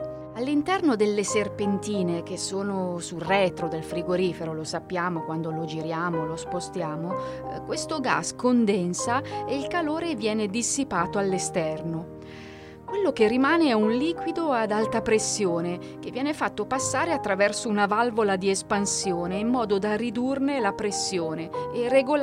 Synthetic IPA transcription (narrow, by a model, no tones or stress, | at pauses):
alːint̪ɛrnod̪elːeserpent̪iːnek̟esːoːnosurɛːt̪ɾod̪elfɾiɡoɾiːfeɾolosapːjaːmokwand̪olod͡ʒiɾjaːmolospost̪jaːmo | kwest̪oɡa̰skond̪ɛnsaeilkaloːɾevjɛːned̪isːipaːt̪oalːest̪ɛrno | kwelːok̟erːimaːneɛunliːkwid̪oad̪alt̪apɾesːjoːne | k̟evːjɛːnefat̪ːopasːaːɾeat̪ːɾavɛrsounavalvolad̪iespansjoːneimːɔːd̪od̪arid̪urnelapɾesːjoːneːreɡol